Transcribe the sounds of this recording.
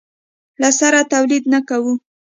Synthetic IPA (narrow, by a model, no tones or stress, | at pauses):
lasaɾat̪awlid̪nakawu